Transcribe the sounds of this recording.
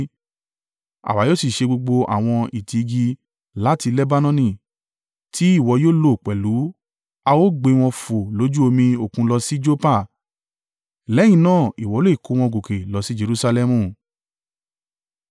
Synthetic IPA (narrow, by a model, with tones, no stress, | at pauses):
a̰˨wa˨˦jo˦si˨ʃe˧ɡ͡bo˧ɡ͡bo˧ʔa̰˨w̃ɔ̃˧i˨ti˨˧ɡi˧ | la˨˦ti˧lɛ˦ba˦nɔ̃˧nĩ˧˨ | tʰi˨˦i˦˨wɔ˧˦joː˦lo˦˨k͡pɛ˨lu˨˦ | a˧wo˦ɡ͡be˧w̃ɔ̃˧fo˨lo˨˦d͡ʒu˦o˧mĩ˧o˨kũ˧lɔ˧si˦d͡ʒo˦pa˦˨ | lɛ˨˦j̃ĩ˨nãː˦˨i˨wɔ˨˦lo˦i˦˨ko˨˦w̃ɔ̃˧ɡo˨ke˨lɔ˨˧si˦d͡ʒe˧ɾu˦sa˧lɛ˧mũ˧˨